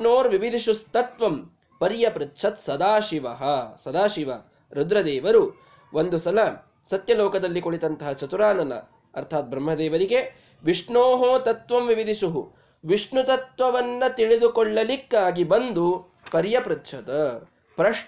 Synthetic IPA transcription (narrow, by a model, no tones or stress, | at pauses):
noːɾʋibid̪ʱiʃust̪ɐt̪ʋɐm | pɐɾjɐpɾɐtːʃʰɐt̪sɐd̪aːʃiʋɐɦɐsɐd̪aːʃiʋɐ | ɾud̪ɾɐd̪ɛːʋɐɾu | ʔond̪usɐlɐ | sɐt̪jɐloːkɐd̪ɐlːikoɭit̪ɐnt̪ɐɦɐt͡ʃɐt̪uɾaːnɐnɐ̰ː | ɾt̪ʰaːt̪̚bɾɐmɦɐd̪ɛːʋɐɾiɡe | ʋiʂnoːɦoːt̪ɐt̪ʋɐmʋiʋid̪iʃuɦu | ʋiʂɳut̪ɐt̪ʋɐʋɐnːɐt̪iɭid̪ukɔɭːɐlikːaːɡibɐnd̪u | pɐɾjɐpɾɐtːt͡ʃʰɐt̪ɐ | pɾɐ